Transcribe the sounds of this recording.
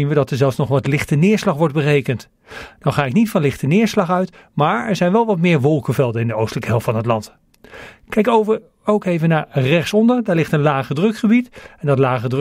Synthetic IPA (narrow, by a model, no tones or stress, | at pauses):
inʋədɑtəɹzɛlˠfsnɔχʋɑtlɪχtənɪːɹslɑχʋɔɹd̚bərejkənt | d̥ɑnχaːɪknitfɑnlɪχtənɪːɹslɑχœɥt | maːɹɛɹzɛjnʋɛlˠʋɑt̚mɪːɹʋɔlˠkəvɛlˠdəɪndəowstələkəɦɛlˠftfɑnɦətlɑnt | kɛjkowvəɹ | owkejvənaːɹrɛχsɔndəɹdaːɹlɪχtənlaːχədrɵkχəbitɛndɑtlaːχədr